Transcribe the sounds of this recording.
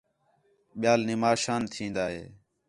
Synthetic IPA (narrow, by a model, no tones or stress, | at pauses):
ɓɪjaːlnɪmaːʃaːnt̪ʰĩːnd̪aːɦḛː